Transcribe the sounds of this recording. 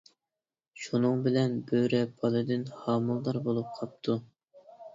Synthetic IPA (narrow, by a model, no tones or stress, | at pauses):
ʃunɨŋbɪlɛnbøɾɛbʰɑlˠɨd̪ɪnhɑːmulˠːɑɾbolˠup̚qʰɑp̚t̪ʰu